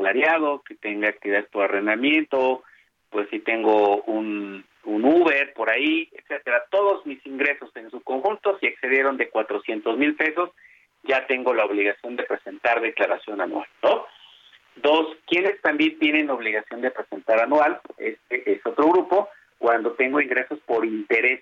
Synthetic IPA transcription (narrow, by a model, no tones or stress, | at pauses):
laɾjað̞o̞ke̞t̪e̞ŋɡaːk̚t̪iβiðaðespo̞ɾarend̪amje̞nt̪o | pwe̞sit̪e̞ŋɡo̞un | unuβe̞ɾpo̞ɾaiet̪set̪e̞ɾat̪o̞ðo̞zmisiŋɡɾe̞so̞se̞nsuko̞ŋxunt̪o̞siekse̞ð̞je̞ɾo̞nd̪e̞kwat̪ɾosje̞nt̪o̞zmilpe̞so̞s | ɟ͡ʝat̪e̞ŋɡo̞laoβliɣasjo̞nd̪e̞pɾe̞se̞nt̪aɾðe̞klaɾasjo̞nanwa̰lno | d̪oskje̞ne̞st̪ambje̞nt̪je̞nẽ̞no̞βliɣasjo̞nd̪e̞pɾese̞nt̪aɾanwalḛst̪eʔeso̞t̪ɾo̞ɣɾupo̞ | kwand̪o̞t̪e̞ŋɡo̞iŋɡɾe̞so̞spo̞ɾint̪e̞ɾe̞s